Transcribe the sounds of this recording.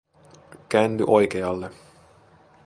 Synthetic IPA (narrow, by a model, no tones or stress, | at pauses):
kæːnt̪y̰ʔo̞jkeɑlːe